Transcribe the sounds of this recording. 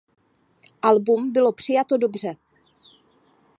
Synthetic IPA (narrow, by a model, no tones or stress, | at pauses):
ʔalbumbɪlo̞pr̝̥ɪjat̪o̞do̞br̝ɛ